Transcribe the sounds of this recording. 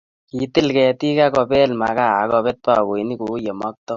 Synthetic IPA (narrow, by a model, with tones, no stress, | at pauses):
ki˨t̪ɪ˦lkɛ˨t̪i˦ka˦kɔ˧pɛ˦lma˨ka˦˨a˨˦kɔ˧pɛ˦t̪̚pa˦˨ko˨˦ni˦ku˨˦je˨mɔ˦k̚t̪ɔ˦